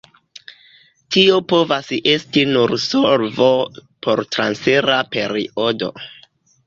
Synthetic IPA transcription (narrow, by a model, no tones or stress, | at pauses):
tʰio̞po̞vasʔestinuɾsoɾvopʰo̞ɾtɾansfeɾape̞ɾḭo̞do̞̰